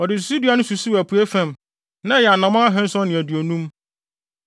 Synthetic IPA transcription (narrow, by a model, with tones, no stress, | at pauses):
ɔ˨dɪ˨s̬su˦di˨˦a˨˦nʊ̃˦su˨su˦æ˨pʰu˨e˦fæ̃˨m | nã˦˨jɛ˨a˨nã˨mã˦a˦ɦɛ̃˦n˦sɔ˦nɪ̃˨æ˨dɥo˨nũ˦m